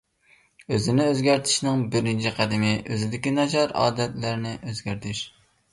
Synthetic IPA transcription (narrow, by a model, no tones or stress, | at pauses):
øzɪnɪøzɡʲæɾt̪ʰɪ̥ʃnɪŋbɪɾɪnt͡ʃʰiqʰæd̪ɪmɪʔøzɪd̪ɪkʲinɑd͡ʒɑɾɑ̰ːd̪ɛt̪læɾnɪʔøzɡʲæɾt̪ʰɪʃ